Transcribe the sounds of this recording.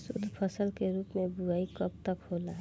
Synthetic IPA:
sʊ̰d̪ʱpʰəsəlkeɾuːpmẽbuaːikəp̚t̪əkɦoːlaɦ

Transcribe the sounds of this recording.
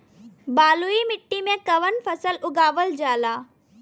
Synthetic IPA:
baːluimɪʈːimẽkɐʋənpʰɐsəlʊɡaːʋəld͡ʒaːlaː

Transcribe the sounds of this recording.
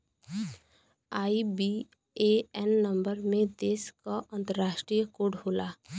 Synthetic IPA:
aːibi | eɛnːə̃mbəɾmẽd̪eːskaʔə̃nt̪əɾːaːʃʈɾijəkoɖʱɦoːlaː

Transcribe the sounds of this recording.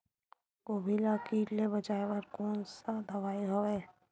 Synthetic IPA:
ɡoːbʱilakiːʈlebɐd͡ʒaːebəɾkɔːnsad̪ɐʋaːiɦoeː

